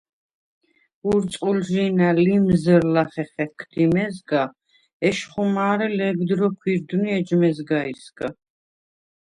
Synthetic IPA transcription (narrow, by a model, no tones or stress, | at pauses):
uɾsʼulʒinalimzəɾlaχɛχɛkʰd̪̥imɛzɡa | ɛʃχumaːɾɛlɛɡd̪ɾɔkʰwiɾd̪uniɛd͡ʒmɛzɡaisɡ̥a